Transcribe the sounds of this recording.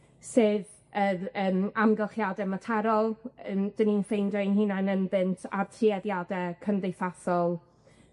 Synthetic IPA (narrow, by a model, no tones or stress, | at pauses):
sɨð | əːəːmamɡəlˠχjadɛmatʰɛɾɔlˠəmd̥əninfejndɔjnɦinanənbɨntʰa̰tʰriɛðjadɛkʰəndejθaθɔlˠ